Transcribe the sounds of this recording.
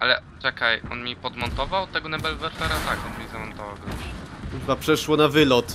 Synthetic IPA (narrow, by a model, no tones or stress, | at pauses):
ʔalɛ̰t͡ʂɛkajʔɔ̰nmʲipɔd̪mɔnt̪ɔvawt̪ɛɡɔnɛbɛlvɛɾfɛɾat̪akɔnmʲizamɔnt̪ɔva̰wɡɔuuxbapʂɛʂwɔnavɘlɔt̪